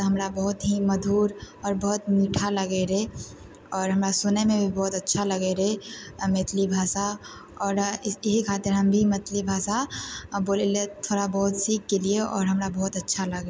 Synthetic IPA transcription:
ɦɐmɾabəɦʊt̪ɦimɐd̪ʱuːɾ | ɔːɾbəɦʊt̪miʈʰaləɡeɾe | ɔːɾɦəmɾasʊnəmẽbʱibɔɦʊt̪ɐtːʃʰaləɡeɾemeːt̪ʰlibʱaːsa | ɔːɾɦikʰaːt̪ɪɾɦəmbʱimet̪ʰlibʱaːsaboːlelet̪ʰoːɾabɐɦʊt̪siːkːelieʔɔ̰ːɾɦəmɾabɔɦʊt̪ɐtːʃʰaləɡe

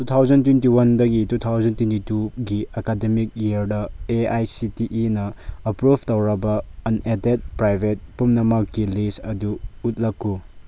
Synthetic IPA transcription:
tutʰawd͡ʒɐntwent̬iwɐndɐɡitutʰawzɐntwentituɡiɐkademik̚jiɐɾdɐeajsitiʔinɐːpɾub̚ʰʱtɐwɾɐbɐːnedet̚pɾajbʱet̚pumnɐmakːilisɐduːt̚lɐkːu

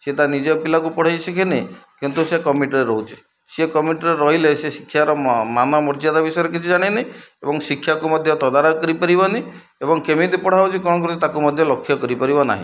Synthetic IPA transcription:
set̪anid͡ʒɔpilakupɔɽ̤ajsikʰenekint̪usekɔmiʈɾeɾɔɦut͡ʃʰi̥ | sekɔmiʈɔɾeɾɔɦilesesi̥kʰːjaɾɔmanɔmɔɾd͡ʒad̪abisɔɾɔkit͡ʃʰid͡ʒaɽ̃ineebɔŋsikʰjakumɔd̪ʱjɔt̪ɔd̪aɾɔkɔɾipɔɾibɔni | ebɔŋkemid̪ipɔɽ̤awt͡ʃʰikɔɽ̃ɔk̬ɔɾt̪it̪akumɔd̪ʱjɔlɔkʰːjɔkɔɾipɔɾibɔna̰ɦḭ̃

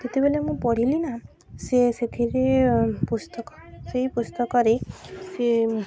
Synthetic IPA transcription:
k̪et̪ebelemũpɔɽ̤ilina | seset̪ʰiɾepust̪ɔkɔ̥seɦipust̪ɔkɔɾese

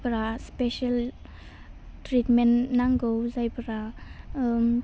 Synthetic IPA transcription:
bɾaspeʃal | tɾitmenːaŋɡowzajbaɾa

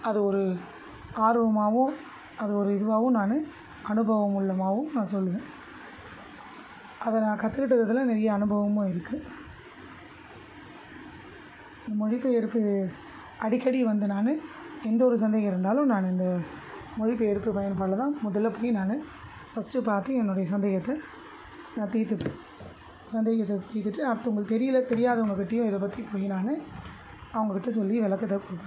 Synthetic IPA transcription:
ɐðɯɔɾɯ | aːɾɯʋɐmaːʋʊ̃ | ɐðɯɔɾɯɪðɯʋaːʋɯ̃naːnɯ | ɐnɯbɐʋɐmʊɭːɐmaːʋɯ̃nãːsɔlːɯʋẽː | ʔɐðɐnãːkɐt̪ːɯkɪʈ̬ːɐðɐðɪlãːnɛɾɐjɐːnɯbɐʋɐmõɪɾɯkːɯ | ɪnd̪ɐmɔɻɪpːɯɛɾɯpːɯ | ɐɽɪkːɐɽiʋɐnd̪ɯnaːnɯ | ɛnd̪ɐɔɾɯs̬ɐnd̪eːɣɐ̃ɪɾɯnd̪aːlʊ̃naːnɪnd̪ɐ | mɔɻɪpːɯɛɾɯpːɯpɐjɐnpaːɽlɐt̪ãːmɔðɐlːɐpoːjinaːnɯ | fɐsʈːɯpaːɾt̪ɯɛnːɯɽɐjɐsɐnd̪eːɣɐt̪ːɐ | nãːt̪iːt̪ːɯ | sɐnd̪eːɣɐt̪ːɛt̪ːiːt̪ːɯʈːɯɐɽɯt̪ːɐʊŋɡɐɭt̪ɛɾɪjɪlɐt̪ɛɾɪjaːðɐʊŋɡɐkːɪʈːɪjʊ̃ɪðɐp̬ɐt̪ːipoːɣɪnaːnɯ | ɐʋɐŋɡɐkːɪʈːɐs̬ɔlːiʋɪlɐkːɐt̪ːɐkːʊɽɯpːɐ

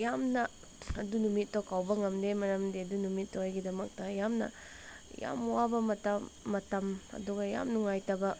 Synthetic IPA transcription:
jamnɐ | ɐdunumitːokawbɐŋɐmdemɐɾɐmdiɐdunumitːojɡidɐmɐk̚tɐjamnɐ̰ | ja̰mwabɐmɐtɐmːɐtɐmɐ̰duɡɐja̰mnuŋajtɐbɐ

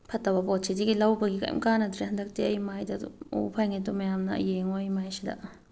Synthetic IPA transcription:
pʰɐtːɐbɐpot̚sidiɡilɐwbɐɡikɐ̰j̰mkanɐdɾehɐndɐk̚tiɐjmajdɐ̰o̰pʰajŋet̬umɐjamnɐɐ̰jeŋojmajsidɐ̰

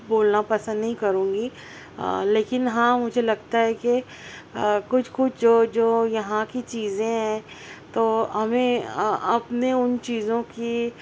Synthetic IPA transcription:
boːlnapɐsə̃nd̪nɐɦĩkɐɾũːŋɡi | leːkɪnɦãmʊd͡ʒʱelɐɡ̚t̪aɦɛke | kʊt͡ʃʰkʊt͡ʃʰd͡ʒoːd͡ʒoːjɐɦãkit͡ʃiːzẽɦɛ̃ː | t̪oːɦɐmẽɐpneʊnt͡ʃiːzõki

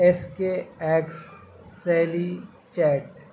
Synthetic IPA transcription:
eskeɛːksː | ɛːli | t͡ʃɛːʈ

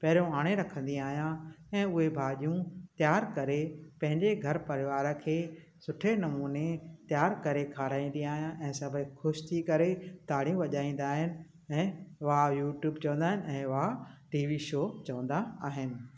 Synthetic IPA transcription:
pɐɦɪɾijũaːɽ̃eɾɐkʰə̃nd̪ĩaːɦjãɛ̃ːʊɦebʱaːʄijũt̪jaːɾkɐɾepɐ̃ɦɪ̃ɲd͡ʑeɡʱɐɾpɐɾɪʋaːɾə̆kʰeː | sʊʈʰenɐmuːnet̪jaːɾkɐɾekʰaːɾaːĩnd̪ij̃aːɦijãʔɛ̃ːsɐbʱəxʊʃt̪ʰikɐɾet̪aːɽijũʋɐʄaːĩːn̆d̪aːɦɪnɪ̆ | ɛ̃ːʋajuːʈjuːbt͡ɕɐʋə̃nd̪aːɦɪnɪɛ̃ːʋaʈiːʋiʃoːt͡ɕɐʋə̃nd̪aaːɦɪnɪ̆

